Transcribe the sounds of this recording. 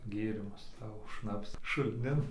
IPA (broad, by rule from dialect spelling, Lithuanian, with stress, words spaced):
ˈɡʲeːrʲɪmʊs ˈsɑːʋoː ˈʃnɑːpsɐ ʃʊlʲˈnʲɪn